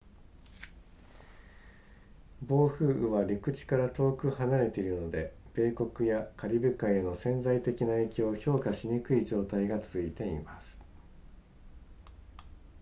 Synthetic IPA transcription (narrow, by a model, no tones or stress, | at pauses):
bo̞ːɸɯ̟ːʔɯβaɾʲikɯ̟t͡ɕi̥kaɾat̪o̞ːkɯ̟hanaɾe̞t̪e̞iɾɯ̟no̞d̪e̞b̥e̞ːko̞kɯ̟jakʰaɾʲibɯ̟kãe̞no̞sẽ̞nd͡zait̪e̞kʲinae̞ːkʲo̞ːço̞ːkaɕiɲ̟ikɯ̟iʑo̞ːt̪aiɡat͡sɨit̪e̞ḭmasɨ̥